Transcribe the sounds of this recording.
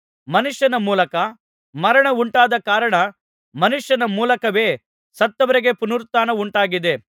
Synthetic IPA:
mɐnuʂjɐnɐmuːlɐkɐ | mɐɾɐɳɐuɳʈaːd̪ɐkaːɾɐɳɐ | mɐnuʂjɐnɐmuːlɐkɐʋe̞ː | sɐt̪ːɐʋɐɾiɡe̞punuɾt̪aːnɐuɳʈaːɡid̪e̞

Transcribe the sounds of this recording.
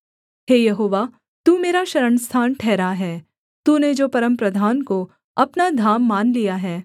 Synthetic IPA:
ɦeːjɐɦoːʋaː | t̪uːmeːɾaʃɐɾəɳst̪ʰaːnʈʰɛːɾaɦɛː | t̪uːned͡ʒoːpɐɾə̃mpɾɐd̪ʱaːnko | ɐpnad̪ʱaːmːaːnlijaɦɛː

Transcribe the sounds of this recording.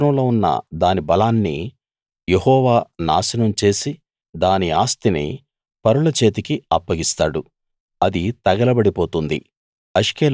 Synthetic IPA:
nɐmloːunːɐ̰d̪aːnibɐlaːnːḭ | jehɔːʋaːna̰ːsinɐmt͡ʃe̞ːsi | d̪aːniaːst̪inḭ | pɐɾuɭɐt͡ʃe̞ːt̪̬ikiɐpːɐɡist̪aːɽu | ɐd̪it̪ɐɡɐlɐbɐɽipo̞ːt̪und̪ḭ | ɐʃkeːl

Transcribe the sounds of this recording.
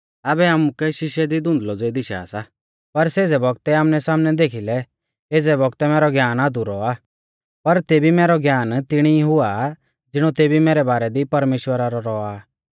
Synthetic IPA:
aːbɛamukɛʃɪʃjɛd̪id̪ʊ̃nd̪lɔd͡zeid̪ɪʃa̰ːsa | pɐɾseːd͡zɛbɔɡ̚t̪ɛaːmnɛsaːmnɛd̪eːkʰilɛ | eːd͡zɛbɔɡt̪ɛmɛːɾɔɡjaːnaːd̪uɾɔa | pɐɾt̪eːbimɛːɾɔɡjaːnt̪ɪɽ̃iɦʊa | d͡zɪɽ̃ɔt̪eːbimɛːɾɛbaːɾɛd̪ipɐɾmeːʃwəɾaɾɔɾɔaː

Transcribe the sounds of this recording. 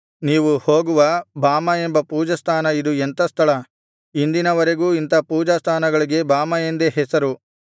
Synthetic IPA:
niːʋuho̞ːɡuʋɐbaːmɐembɐpuːd͡ʒɐst̪ʰaːnɐid̪uɛnt̪ɐst̪ʰɐɭɐ | ind̪inɐʋɐɾeɡuːint̪ɐpuːd͡ʒɐst̪ʰaːnɐɡɐɭiɡe̞baːmɐjend̪eɦɛsɐɾu

